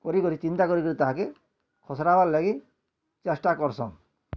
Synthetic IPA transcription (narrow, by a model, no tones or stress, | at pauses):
kɔɾikɔɾit͡ʃint̪akɔɾikɔɾit̪aɦãke | kʰɔsɾabaɾlaɡi | t͡ʃasʈakɔɾsɔ̰ŋ